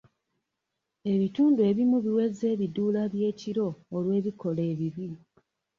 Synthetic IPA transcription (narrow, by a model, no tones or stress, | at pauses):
e̞βituːndue̞ːβimuβiwe̞ze̞ːβiduːlaβje̞ːciɾo̞ːlwe̞ːβiko̞le̞ːβiβi